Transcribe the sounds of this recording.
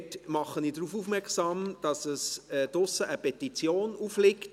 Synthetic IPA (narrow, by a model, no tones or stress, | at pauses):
tmɑχːəniːdɾuːfuːfmɛksɑːmd̥ɑsəsdʊsəʔəpɛtit͡sjoːnuːflɪkt